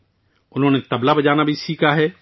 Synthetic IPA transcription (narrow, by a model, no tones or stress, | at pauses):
ʊnɦõːnet̪ɐblabɐd͡ʒaːnabʱisiːkʰaɦɛː